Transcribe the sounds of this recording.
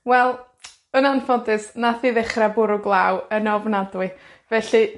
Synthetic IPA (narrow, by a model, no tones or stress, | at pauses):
wɛlˠ | ənanfɔdɪsnaθiːðɪχrabʊɾʊɡlˠawənɔvnadwɨ | vɛɬi